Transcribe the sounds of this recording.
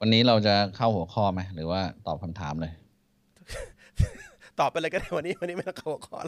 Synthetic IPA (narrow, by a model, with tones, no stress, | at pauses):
wa˧nːiː˦˥ɾa˧wt͡ɕa˨˩kʰa˥˩whu˩˦ɐkʰɔː˥˩ma˦˥jɾɯː˩˦waː˥˩t̪ɔː˨˩p̚kʰa˧mt̪ʰa̰ː˩˦mlɤː˧j | t̪ɔː˨˩p̚ːʔa˧la˧kːdaː˥˩wa˧nːiː˦˥wa˧nːi˦˥ma˥˩na˧˩kʰa˥˩hu˩˦kʰɔ̰ː˥˩l